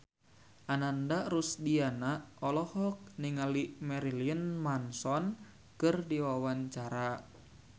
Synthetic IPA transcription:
ʔanandaɾusdianaɔlɔhɔk̚niŋalimɛɾiliənmansɔn | kɨrdiwawaɲt͡ʃaɾa

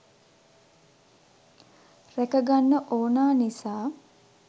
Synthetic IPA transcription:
rækəɡanːəʔoːnaːnisaː

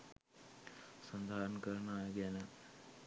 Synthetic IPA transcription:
sɐnd̪ʱaːɾɐnkəɾɐnaːjəɡænə

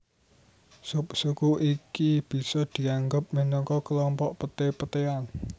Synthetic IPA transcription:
suksukuʔikib̥i̤sɔd̪̥i̤aŋɡʊp̚mənɔŋkɔkəlɔmpɔʔpət̪epət̪ean

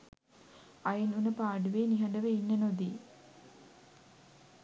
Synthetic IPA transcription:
ajinunəpaːɖuʋeːniɦɐɳɖəʋəinːənod̪i

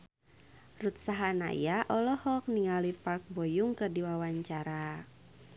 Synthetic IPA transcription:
rut̪̚saɦana̰jaʔɔlɔhɔk̚niŋalipark̚bɔjuŋkɨrdiwawaɲt͡ʃaɾa

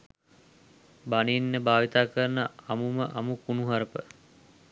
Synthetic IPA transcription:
baninːəbaːʋit̪aːkəɾnəamuməʔamukunuɦaɾəpə̰

